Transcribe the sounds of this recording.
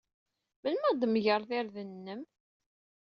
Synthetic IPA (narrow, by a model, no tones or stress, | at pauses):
mənmæd̪mʝəɾˤθɪɾðənːəm